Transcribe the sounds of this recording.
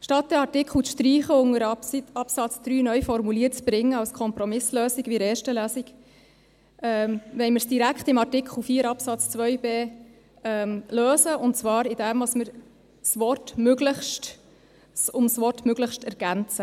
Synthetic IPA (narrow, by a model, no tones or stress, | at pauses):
ʃtɑt̪̚d̥̪ɛɑtɪkl̩ʃtɾiːχəʊŋəɾɑpsɑt͡sd̪̥ɾyːnœɥfɔɾmuliːət͡sb̥ɾɪŋːəɑlskʰɔmpɾɔmɪsløːsɪɡʋiɾeːɾʃtəlæːsiɡ | ɛmʋɛɪmɪɾsd̥iɾækχtɪmɑrtɪkχl̩ˠfiːəɾɑpsɑt͡st͡sʋœjbeː | ɛːmløːzəʔʊntt͡svɑːɾɪd̥ɛmʋɑsməɾ | sʋɔrtmøɡləχʃt | sʊmsʋɔtmøɡləχʃtɛɾɡ̥ænt͡sə